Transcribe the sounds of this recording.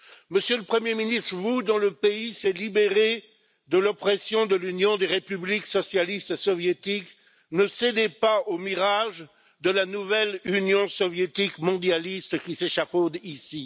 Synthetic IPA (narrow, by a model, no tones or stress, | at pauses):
məsjøləpχəmjeminist̪χəvud̪ɑ̃ləpeisɛlibeʁe | d̪əlɔpχɛsjɔ̃d̪əlynjɔ̃d̪eʁepybliksɔsjalist̪esɔvjet̪ik | nəsed̪epaomiʁaʒ | d̪əlanuvɛlynjɔ̃sɔvjet̪ikmɔ̃d̪jalist̪kʲiseʃafod̪isi